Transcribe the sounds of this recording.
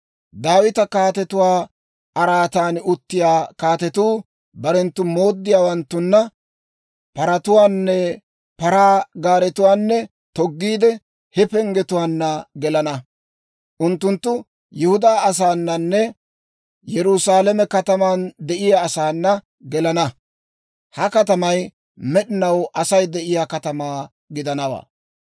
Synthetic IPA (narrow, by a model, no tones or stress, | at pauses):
d̪aːwɪt̪ɐkaːt̪ɛt̪ʊwaː | ʔɐɾaːt̪aːnʊt̪ːɪjaːkaːt̪ɛt̪uː | bɐɾɛnt̪ːʊmoːd̪ːɪjaːwɐnt̪ːʊnːɐ | pɐɾɐt̪ʊwaːnːɛ | pɐɾaːɡaːɾɛt̪ʊwaːnːɛ | t̪ɔɡːiːd̪ɛ | hɛpɛŋɡɛt̪ʊwaːnːɐɡɛlɐnɐ | ʔʊnt̪ːʊnt̪ːʊ | jɛhʊd̪aːɐs̬aːnːɐnːɛ | jɛɾʊsaːlɛmɛkɐt̪ɐmand̪ɛʔɪjaːsaːnːɐ | ɡɛlɐnɐ | hɐkɐt̪ɐmɐj | mɛɗɪnɐwʔɐsɐjd̪ɛʔɪjaːkɐt̪ɐmaː | ɡɪd̪ɐnɐwa̰ː